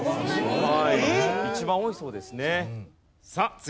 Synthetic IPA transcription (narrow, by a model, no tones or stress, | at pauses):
ohaiit͡ɕibãɰ̃o̞iso̞ːd̪e̞sɨne̞ | sat͡s